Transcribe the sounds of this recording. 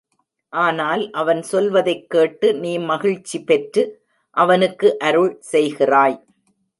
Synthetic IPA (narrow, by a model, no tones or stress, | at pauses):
ʔaːnaːlʔɐʋɐnsɔlʋɐðɐɪkːeːʈːɯniːmɐɣɪɻt͡ʃːipɛʈɾɯ | ʔɐʋɐnɯkːɯʔɐɾɯɭsɛjɣɪraːj